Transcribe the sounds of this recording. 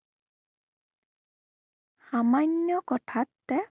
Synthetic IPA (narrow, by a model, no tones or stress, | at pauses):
xamaɲjɔkɔtʰatːɛ